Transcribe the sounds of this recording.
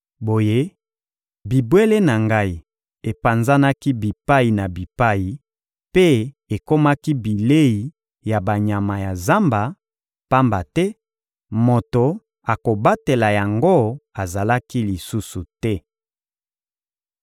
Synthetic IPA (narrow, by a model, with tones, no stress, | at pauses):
bo˨je˦ | bi˨bwe˦le˦na˨ŋɡa˦i˨ | e˨pa˨nza˦na˦ki˦bi˨pa˦i˨na˨bi˨pa˦ji˨ | pe˦ | e˨ko˦ma˦ki˦bi˨le˦i˨ | ja˨ba˨ɲa˨ma˨ja˨za˦mba˨ | pa˦mba˨tɛ˦ | mo˨to˨ | a˨ko˨ba˦te˨la˨ja˨ŋɡo˦a˨za˨la˦ki˦li˨su˦su˨tɛ˦